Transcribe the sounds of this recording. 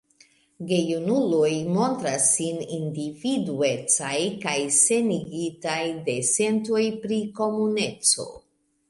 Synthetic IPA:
ɡe̞junulojmo̞ntɾasːinindividue̞t͡sajkajse̞niɡitajde̞se̞nto̞jpɾiko̞mune̞t͡so̞̰

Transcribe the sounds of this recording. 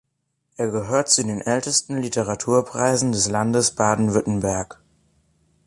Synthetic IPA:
ʔeːɐɡəɦøːɐtt͡sudeːnʔɛltəstn̩litʰəʁatʰuːɐpʁ̥aɪzn̩dɛslandəsb̥aːdn̩vʏtn̩bɛɐk

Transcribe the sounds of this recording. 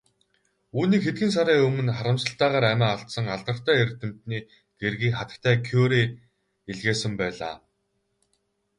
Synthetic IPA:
uːniːkxet̪ɡɘ̆ns̬aɾæːɵmɵ̆nχaɾə̆msə̆ɬt̪æːʁaːɾæmʲæːaɬt̪sə̆ŋaɮt̪ə̆r̥t̪æːert̪ɘ̆m̥t̪niː | ɡ̪̥erɣiːkχat̪ə̆k̚t̪ʰæːkʰoːɾiː | eɮɣeːsə̆mpæːɮa̰ː

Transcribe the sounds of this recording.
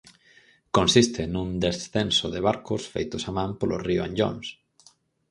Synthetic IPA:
konsist̪enũnd̪esθensoðeβaɾkʊsfḛjt̪ʊsamãmpolorioãnʎo̰ns

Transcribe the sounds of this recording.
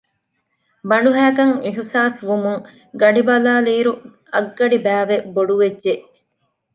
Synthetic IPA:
bɐɳɖuɦæːkɐŋiɦsaːsʋumuŋ | ɡɐɖibɐlaːliːɾu | ɐɡːɐɖibæːʋeboɖuʋedʒeʔ

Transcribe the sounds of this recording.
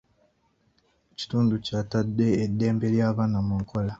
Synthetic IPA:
eci̥tuːnducaːtadːe̞ːdːe̞ːmbe̞ljaːβaːnamuŋko̞la

